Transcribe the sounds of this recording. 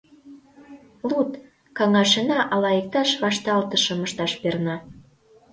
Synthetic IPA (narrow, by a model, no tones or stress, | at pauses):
lut̪ | kɑŋɑʃenɑʔɑlɑek̚t̪ɑʃβɑʃt̪ɑlt̪əʃə̆məʃt̪ɑʃpernɑ